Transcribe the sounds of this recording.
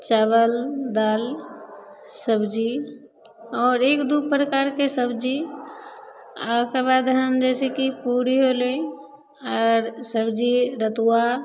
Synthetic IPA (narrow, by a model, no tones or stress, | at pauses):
t͡ʃaːβəld̪aːl | səbd͡ʒi | ɔːɾeːkd̪upɾəkaːɾkesəbd͡ʒi | akebad̪ɦənd͡ʒɛːsekipuɾiɦolẽ | ɔːɾsəbd͡ʒiɾət̪uwa